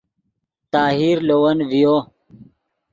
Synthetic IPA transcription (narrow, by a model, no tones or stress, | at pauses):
t̪aːɦiːɾloːwɐnvijoː